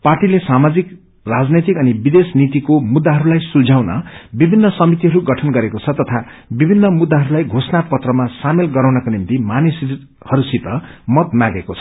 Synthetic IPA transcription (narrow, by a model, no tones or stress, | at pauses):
parʈilesamad͡zik | rad͡znet̪ikʌnibid̪esnit̪ikomud̪ːaɦʌɾulajsuld͡zʱawnʌ̰bibʱinːʌsʌmit̪iɦʌɾuɡʌʈʰʌnɡʌɾekot͡sʰʌt̪ʌt̪ʰa | bibʱinːʌmud̪ːaɦʌɾulajɡʱosnapʌt̪rʌmasamelɡʌɾawnʌkonimt̪imanes | hʌɾusit̪ʌmʌt̪maɡekot͡sʰʌ̥